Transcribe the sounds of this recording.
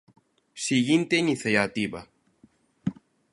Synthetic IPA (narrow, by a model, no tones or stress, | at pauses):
siɣint̪einiθjajat̪iβa